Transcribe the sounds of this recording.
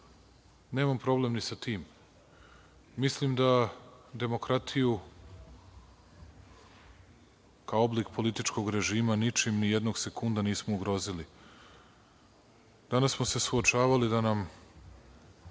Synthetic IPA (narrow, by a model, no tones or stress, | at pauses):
neːmampɾo̞ble̞mnisat̪iːm | islimd̪ad̪e̞mo̞kɾat̪ʰiju | kaoo̞blikpʰo̞lit̪it͡ʃko̞ɡɾe̞ʒiːmanit͡ʃimnijed̪no̞ɡse̞kund̪aniːsmouɡɾo̞zili | d̪̥anasmose̞suot͡ʃaːʋalid̪anam